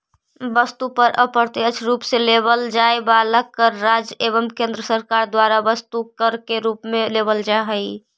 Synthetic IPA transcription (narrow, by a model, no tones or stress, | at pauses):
bəst̪upəɾʔə̰pəɾt̪iət͡ʃʰɾupselebəld͡ʒaebaləkːəɾːad͡ʒeβəmkẽnd̪ɾəsəɾkaɾd̪waɾabəst̪ukəɾkeɾupmẽlebəld͡ʒaɦəi